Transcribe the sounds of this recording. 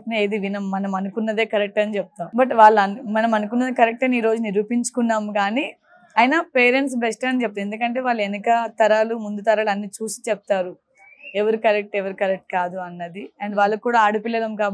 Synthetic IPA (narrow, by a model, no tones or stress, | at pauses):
pinɐeːd̪iʋinɐmːɐnɐmɐnukunːɐd̪e̞ːkɐɾek̚ʈɐnit͡ʃɛp̚t̪aːmbɐʈʋaːɭːɐɐmɐnɐmɐnuk̬unːɐd̪ikɐɾek̚ʈɐniːɾo̞ːd͡ʒuniɾuːpiɲt͡ʃu̥kunːaːmukaːni | ɐjnaːpeːɾeɳʈsbesʈɐnit͡ʃɛp̚t̪aɐme̞nd̪ukɐɳʈe̞ːʋaːɭːenɐkɐt̪ɐɾaːlumund̪ut̪ɐɾaːlɐnːit͡ʃuːsi̥t͡ʃɛp̚t̪aːɾu | ɛʋɐɾikɐɾek̚ʈɛʋɐɾikɐɾek̚ʈ̚kaːd̪uɐnːɐd̪iɐɳɖʋaːɭːɐkːuːɽaːaːɽupilːɐlɐmkaː